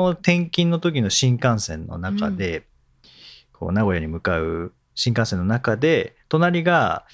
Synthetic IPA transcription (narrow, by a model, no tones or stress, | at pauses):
ot̪ẽ̞ŋkʲĩnːo̞t̪o̞k̬ʲino̞ɕĩŋkãɰ̃sẽ̞̰nːo̞̰naka̰d̪e̞ | kʰo̞̰ːnaɡo̞jaɲ̟imɯ̟kaɯ̟ | ɕĩŋkãsẽ̞nːo̞nakad̪e̞t̪o̞naɾʲiɡa